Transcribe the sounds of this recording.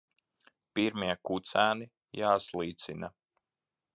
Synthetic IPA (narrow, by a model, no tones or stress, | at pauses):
piɾmiɛkut̪sæːni | jaːslˠiːt̪sina